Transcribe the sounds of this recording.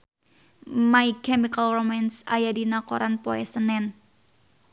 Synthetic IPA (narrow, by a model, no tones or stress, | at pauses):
maikɛmikalromɛnsa̰jadinakoɾanpoɛsənɛn